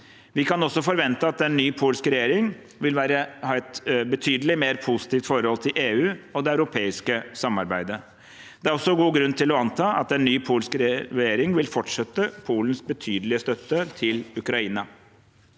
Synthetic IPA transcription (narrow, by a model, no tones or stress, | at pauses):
ʋɪkɑnɔsːɔfɔɾʋɛnt̪əɑt̪̚d̪ɛnːyːpʰuːlskɾɛjeːɾɪŋ | ʋɪlʋæːɾəhɑːɛt̪bət̪ʰyːd̪əlɪmeːɾpʰusɪ̥t̪iːft̪fɔɾəhɔlt̪ʰɪlʔeːʉːɔd̪ɛɑʉɾʊpʰeːɪskəsɑmːɑɾbæɪd̪ə | d̪ɛæɾɔsːɔɡuːɡɾʉnt̪ʰɪlɔɑnt̪ʰɑːʔɑt̪ɛnːyːpʰuːlskɾɾɛjeːɾɪŋʋɪlfɔʈʂɛt̪ːəpʰuːlənsbət̪ʰyːd̪əlɪəst̪œt̪ːət̪ʰɪlʉkɾɑiːnɑ